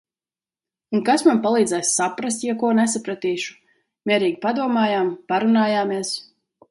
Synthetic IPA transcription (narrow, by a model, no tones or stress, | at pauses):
unkasmanpalˠiːd̪zɛjssapɾast̪jakuɔnɛsapɾat̪iːʃu̥ | mʲiɛɾiːɡʲpad̪uɔmaːjaːmpaɾunaːjaːmiɛs